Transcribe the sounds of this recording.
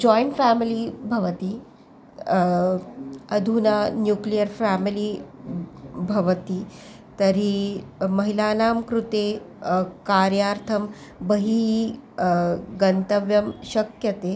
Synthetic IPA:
d͡ʒɔjɳʈfæːmilibʱɐʋɐt̪i | ɐd̪ʱunanjuklijəɾfæːmili | bʱɐʋɐt̪i | t̪ɐɾimɐɦilaːnaːmkɾut̪eː | kaːɾjaːɾt̪ʰɐm | bɐɦi | ɡɐnt̪ɐʋjɐmʃɐkjɐt̪eː

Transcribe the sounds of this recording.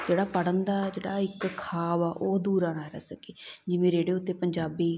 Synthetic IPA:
d͡ʒeːɽaːpəɽənd̪aːd͡ʒeːɽaːɪkʰːaːʋaːʔoːd̪uːɾãːnaːɾɛsəkeːd͡ʒɪʋẽːɾeːɽeːʊt̪ːeːpəɲd͡ʒaːbiː

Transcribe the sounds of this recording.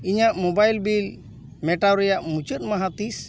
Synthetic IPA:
iɲaʔmɔbajlbil | mɛʈawɾɛjaʔmut͡ʃət̪̚ˀmaɦat̪is

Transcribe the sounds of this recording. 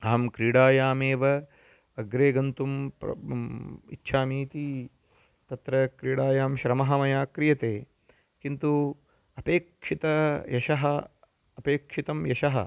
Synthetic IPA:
aːmkɾiːɽaːjaːmeːʋɐ | ɐɡɾeːɡɐnt̪umpɾɐ̰ | ḭtːʃʰaːmiːt̪i | t̪ɐt̪ɾɐkɾiːɽaːjaːmʃɾɐmɐɦɐmɐjaːkɾijɐt̪eː | kint̪u | ɐpeːkʂit̪ɐjɐʃɐɦɐ | ɐpeːkʂit̪ɐmjɐʃɐɦɐ̰

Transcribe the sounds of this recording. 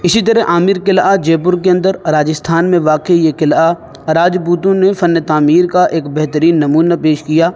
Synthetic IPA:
ɪsit̪əɾɛʔaːmɪɾkɪlad͡ʒeːpʊɾk̬eɐ̃nd̪əɾɾaːd͡ʒəst̪ʰaːnmẽʋaːkeijekɪla | ɾaːd͡ʒpuːt̪õnefɐnːət̪aːmiːɾkaʔeːkbɛɦt̪əɾiːnːɐmuːnapeːʃkijaː

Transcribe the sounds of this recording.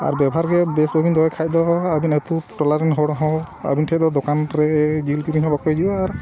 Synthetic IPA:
a̰ɾbɛbʱɦaɾɡɛbɛsbʱɔbʱind̪ʱɔjkʰajd̪ɔabinɛt̪upʈɔlaɾinɦɔɽaɦɔ̃a̰bintʰɛd̪ɔd̪ɔkanɾɛd͡ʒilkiɾiɦɔ̃bakɔjd͡ʒibɔaɾ

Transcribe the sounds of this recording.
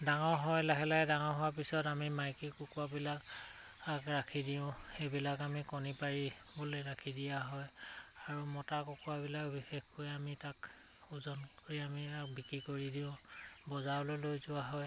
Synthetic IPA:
daŋɔɹɦɔjlaɦɛlajdaŋɔɹɦɔwap̬isɔtamimajkikukuabilak | akɹakʰidiʊ̃xejbilakamikɔnipaɹi | boleɹakʰidijaɦɔjaɹumɔtakukuwabilakbixexkojamitak | uzɔnkoɹiamiak̚bikɹikoɹidiʊ̃bɔzawlolojzʊwaɦɔj

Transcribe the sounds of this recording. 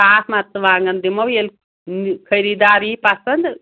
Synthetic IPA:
asmat̪t͡sɨʋaːŋɡɐnd̪imɐwel | kʰəjɾid̪aːɾipasənd̪

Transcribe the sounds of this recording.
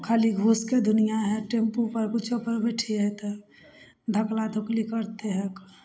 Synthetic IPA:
kʰaːliɡʱuːsked̪ʱʊnijaɦɛʈẽmpupəɾkʊt͡ʃʰopəɾbɛʈʰiɛt̪e | d̪ʱəklad̪ʱoklikəɾt̪eɦɛk

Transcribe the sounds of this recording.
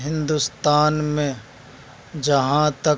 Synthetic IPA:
ɦɪ̃nd̪ust̪aːnmẽ | d͡ʒəɦãt̪ɐ

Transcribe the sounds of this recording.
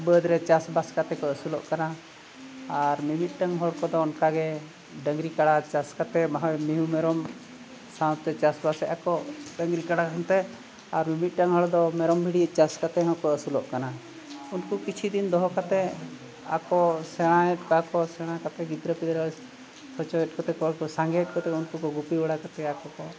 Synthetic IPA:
bəd̪ɾɛt͡ʃasbaskat̪ɛkɔəsulɔʔkanaː | ɾmimit̪̚ˀʈəŋɦɔɽkɔd̪ɔːnkaɡɛ | ɖəŋɡɾikaɽat͡ʃaskat̪ɛmaɦaɛmiɦumɛɾɔm | sãw̃t̪ɛt͡ʃasbasɛʔakɔɖəŋɡɾikaɽaɦənt̪ɛ | aɾmimit̪̚ˀʈəŋɦɔɭd̪ɔmɛɾɔmbʱiɽiəʔt͡ʃaskat̪ɛɦãw̃kɔəsulɔʔkana | unkukit͡ʃʰid̪ind̪ɔɦɔkat̪ɛ | a̰kɔsɛɽ̃ãɛt̪̚kɔakɔsɛɽ̃akat̪ɛɡid̪ɾəpid̪ɾa | sɔt͡ʃɔɛt̪̚ˀkɔt̪ɛkɔɽkɔsaŋɡɛɛt̚ˀkɔt̪ɛunkɔkɔɡupiɔɽakat̪ɛakɔkɔ

